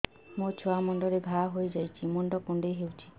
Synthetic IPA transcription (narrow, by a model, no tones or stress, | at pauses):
mot͡ʃʰoamɔɳɖɔɾebʱaɦojd͡ʒajt͡ʃʰimɔɳɖɔkuɳɖeɦewt͡ʃʰi̥